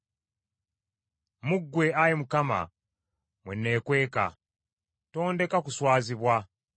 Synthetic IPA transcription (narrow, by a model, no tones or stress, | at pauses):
muɡːwe̞ajemukama̰ | mwḛnːe̞ːkwe̞ːka̰ | to̞ːnde̞kakuswaːziβwa